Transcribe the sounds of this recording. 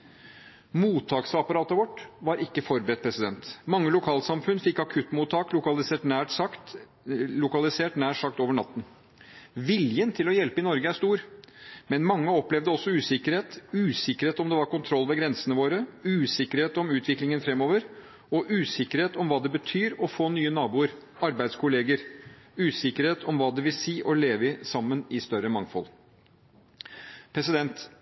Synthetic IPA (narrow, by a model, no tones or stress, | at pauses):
muːt̪ʰɑːksɑpɑɾɑːt̪əʋɔʈːʋɑɾʔɪkːəfɔɾbəɾɛt̪̚pʰɾɛsɪd̪ɛnt̪mɑŋːəlʊkʰɑːlsɑmfʉnd̪fɪkːɑkʰʉt̪ːmuːt̪ʰːɑːklʊkɑlɪseːʈnæːʈsɑkt̪ | lʊkɑlɪseːʈnæːʂɑk̚t̪oːʋəɳɑ̰t̪ːn̩ | ʋɪljənt̪ʰɪlɔjɛlpəɪnɔɾɡəæʂst̪uːɾmɛnmɑŋːəɔplɛʋd̪əɔsːɔʉːsɪkəɾheːt̪ʉːsɪkəɾheːt̪ɔmd̪ɛʋɑɾkʊnt̪ʰɾɔlːʋɛɡɾɛnsənəʋoːɾəʉːsɪkəɾheːt̪ɔmʉːt̪ʰʋɪklɪŋənfɾɛmːoːʋəɾ | ɔʔʉːsɪkəɾheːt̪ɔmʋɑːd̪ɛbət̪ʰyːɾɔfoːnyːənɑːbuːəɾ | ɑɾbæɪd̪skʰʊleːɡəɾʉːsɪkəɾheːt̪ʰɔmʋɑːd̪ɛʋɪlsiːʔɔleːʋəɪsɑmːənɪst̪œɾəmɑŋfɔ̰l | pʰɾɛsɪd̪ɛnt̪